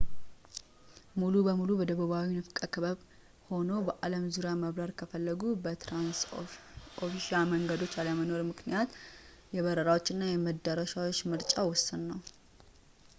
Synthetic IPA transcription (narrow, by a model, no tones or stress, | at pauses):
mulubəmulubɔd̪əβəβawinɨfkʼəkʰɨβəβ | ho̞nobəʔaləmzuɾjaməβɾaɾkʰəfəlːəɡubət̪ʰɾans | ʔofiʃaməŋɡəd̪o̞t͡ʃːaləməno̞ɾmɨknijat̪ | jɛβəɾəɾawo̞t͡ʃːɪnːajɛməd̪ːəɾəʃawot͡ʃːmɨɾt͡ʃʼawɔsːɨnːəw